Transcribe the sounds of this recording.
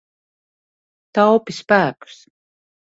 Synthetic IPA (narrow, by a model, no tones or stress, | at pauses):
t̪awpispæːku̥s